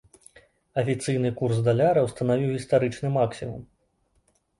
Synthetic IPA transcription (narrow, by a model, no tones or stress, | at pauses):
ɐfʲit̪sɨjnɨkursd̪alʲaɾɐwst̪ɐnavʲiwɣʲist̪aɾɨt͡ʂnɨmaksʲimum